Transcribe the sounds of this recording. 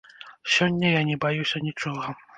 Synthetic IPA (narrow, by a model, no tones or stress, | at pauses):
sʲɔnʲːɐjanʲɛbajusʲɐnʲit͡ʂɔɣɐ